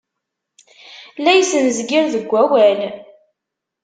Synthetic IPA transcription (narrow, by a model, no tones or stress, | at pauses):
læjsənzɡɪɾðəɡʷːæwæl